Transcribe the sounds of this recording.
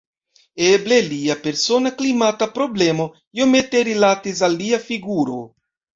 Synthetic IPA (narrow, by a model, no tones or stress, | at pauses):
eble̞liape̞ɾso̞naklimatapɾo̞ble̞mo̞ | jome̞t̪eɾilat̪is̬alːiafiɡuɾo